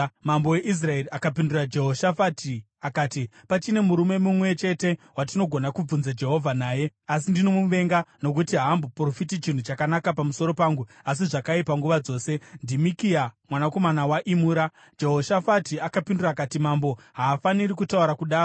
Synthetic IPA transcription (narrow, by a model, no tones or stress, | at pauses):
mambo̞we̞ʔis̬rae̞ɾiakapindurad͡ʒe̞ɦo̞ʃafati | akaːtipat͡ʃine̞muɾume̞mumwe̞t͡ʃe̞te̞wat̬ino̞ɡʱonakub͡vunzad͡ʒe̞ɦo̞vʱanaːje̞as̬indinomuʋe̞ŋɡano̞k̬utiɦambopro̞fitit͡ʃin̤ut͡ʃakanakapamuso̞ɾo̞paːŋɡu | as̬iʐakaipaŋɡuʋad͡zo̞ːse̞ndimikiamwanako̞manawaʔimuːɾa | d͡ʒe̞ɦo̞ʃafatiakapinduraːkatimambo̞ɦaːfaniɾikutauɾakuɗaːu